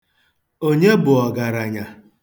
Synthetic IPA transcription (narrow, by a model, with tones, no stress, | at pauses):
o˦ɲe˦bʊ˨ɔ˨ɡa˨ɾa˨ɲa˨